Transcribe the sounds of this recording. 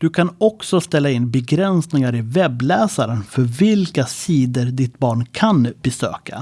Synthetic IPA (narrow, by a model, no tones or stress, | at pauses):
d̪̥ɵkʰanɔksɔst̪ɛlːaɪnbɛɡɾɛnsnɪŋaɾɪvɛbːlɛːsaɾənfœɾvɪlkasiːd̪əɾɖɪt̪bɑːɳkʰanbɛsø̰ːka̰